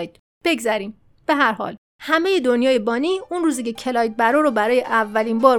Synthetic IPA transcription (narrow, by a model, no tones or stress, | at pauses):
jd̪̥ | b̥e̞ɡzæɾiːm | b̥e̞ɦæɾhɒ̰ːl | hæmeje̞d̪o̞njɒːjebɒːniːunruːzicecʰe̞lɒːjd̪̚bæɾoɾobæɾɒːjeʔævːæliːnbɒːɾ